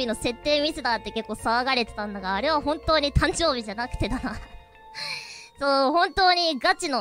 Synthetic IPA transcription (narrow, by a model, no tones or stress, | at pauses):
ino̞se̞t̪ːe̞ːmʲisɨd̪aːt̪ːe̞ke̞kːo̞ːsaːɡaɾʲet̪e̥t̪ãnd̪aɡaːɾe̞β̞ahõ̞nt̪o̞ːɲ̟it̪ãɲ̟d͡ʑo̞ːbʲiʑanakɯ̟̥t̪e̞d̪anaː | soːhõ̞nt̪o̞ːɲ̟iɡat͡ɕino